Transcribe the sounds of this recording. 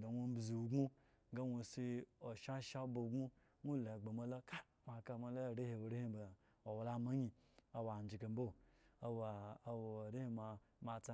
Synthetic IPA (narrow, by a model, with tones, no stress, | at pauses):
do˨wo˦bzi˨u˨ɡu˦ | ɡa˦wo˨˧si˧o˨ʃa˦ʃa˦bo˨ɡu˦ | ŋʷu˦la˨ɡ͡be˨ma˨lo˦ka˦ | ma˨ka˧ma˨˧lo˦˨ɾe˦he˨o˨ɾe˦hi˦ba˨ | o˨wla˦ma˦ɲi˨a˨wa˨n˨d͡ʒi˨ka˨m˦bo˦˨a˨wa˨wo˨ɾe˦hi˦ma˧ | ma˨t͡sa˦